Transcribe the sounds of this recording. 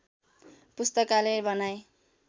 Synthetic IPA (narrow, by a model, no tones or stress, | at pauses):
pust̪ʌkalebʌnaj